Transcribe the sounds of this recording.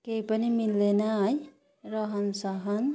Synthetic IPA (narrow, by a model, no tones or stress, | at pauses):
kejpanimilːenaj | ɾʌɦʌnsʌɦʌn